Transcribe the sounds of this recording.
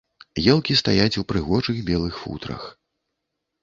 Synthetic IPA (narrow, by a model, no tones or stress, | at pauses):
jɛlˠkʲist̪ajat͡sʲupɾɨɣɔʐɨɣbʲɛlˠɨxfṵt̪ɾɐ̰x